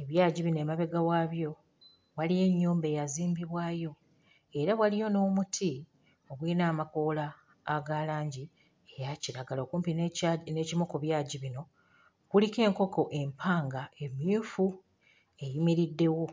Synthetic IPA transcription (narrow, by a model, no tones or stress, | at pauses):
e̞βjaːɟiβinoemaβe̞ɡawaːβjo̞ | walije̞ɲːuːmbe̞jaziːmbiβwaːjo̞ | e̞ɾaβwalijo̞no̞ːmutʰi | o̞βwiːnaːmakoːlaː | ɡalaːɲɟi | ejaciɾaɡalo̞ːkuːmpinnecimokuβjaːɟiβino̞ | kulike̞ːŋko̞ko̞ʔe̞mpʰaːŋɡae̞mjufu | e̞jimiɾidːe̞wo̞